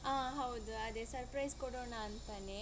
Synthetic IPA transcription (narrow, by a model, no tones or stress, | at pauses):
ãːɦɐwd̪uɐd̪esɐɾpɾɐjskɔɽoːnaːnt̪ane